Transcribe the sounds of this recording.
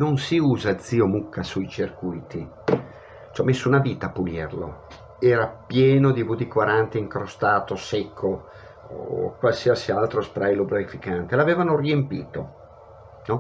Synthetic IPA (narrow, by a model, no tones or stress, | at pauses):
nonsiuːzad̪ziːomukʰːasujt͡ʃirkujt̪i | t͡ʃɔmesːounaviːt̪aːpːulirlo̰ | ɛːɾapjɛːnod̪ibud̪ikwaɾant̪eiŋkɾost̪aːt̪osekʰːo | kwalsiasialt̪ɾospɾajlobɾaifikant̪elaveːvanoriempiːt̪o | nɔ